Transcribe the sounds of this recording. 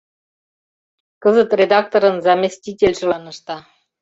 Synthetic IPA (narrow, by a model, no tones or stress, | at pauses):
kɤzɤ̆t̪rʲed̪ɑk̚t̪oɾɤ̆nzɑmʲisʲtʲitʲelʲʒulɑnɤ̆ʃt̪ɑ